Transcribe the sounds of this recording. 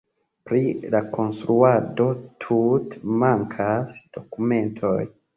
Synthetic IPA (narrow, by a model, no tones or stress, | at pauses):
pɾilakʰo̞nst̪ɾuado̞tʰutmaŋkʰasd̥o̞kume̞ntʰoj